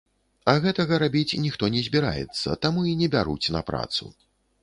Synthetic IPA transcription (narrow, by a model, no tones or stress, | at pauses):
ɐɣɛt̪ɐɣɐɾabʲit͡sʲnʲixt̪ɔnʲɛzʲbʲiɾa̰jɛ̰t̪sːɐ̰t̪amuinʲɛbʲaɾṵt͡sʲnɐ̰pɾa̰t̪sṵ